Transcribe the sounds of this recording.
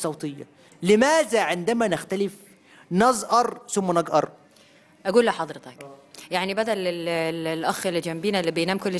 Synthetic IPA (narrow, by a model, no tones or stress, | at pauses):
sˤɑwt̪ˤejːɑ̰ | lɪmæːzæʕɪnd̪æmænɪxt̪ælɪf | nɑzˤʔɑɾˤsʊmːænɑɡʔɑ̰ɾˤ | ʔæɡuːlːæħɑd̪ˤɾet̪ˤɑkjaʕnibæd̪ælːɪlllʔæxelːid͡ʒæmbiːnælːiːbejnæːmkolː